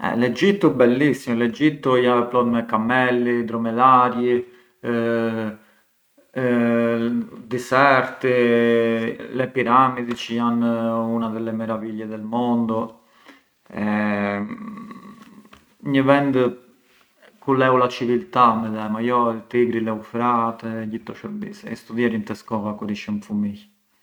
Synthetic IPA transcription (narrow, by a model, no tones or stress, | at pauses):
ɛ̰lɛd͡ʒit̪ːubɛlːisːimulɛd͡ʒit̪ːujaplɔd̪mɛkamɛlːid̪ɾɔmɛðaɾji | d̪isɛɾt̪i | lɛpiɾamiðit͡ʃianːunaðɛlːɛmɛɾaviʎːɛðɛlmɔnd̪u | ɛ | ɲəvɛnd̪ | kulɛulat͡ʃivilt̪amɛðɛmajɔt̪iɡɾilɛufɾat̪ɛɟit̪ːɔʃəd̪isɛɛst̪uðjɛɾint̪ɛskɔvakuɾiʃəmfumiç